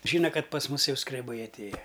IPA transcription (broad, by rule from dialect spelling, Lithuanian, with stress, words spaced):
ˈʒʲiːnɐ ˈkɐt pɐs ˈmʊs ˈjɛʊ skrʲɛˈbɐɪ ɐtʲˈeːjɛ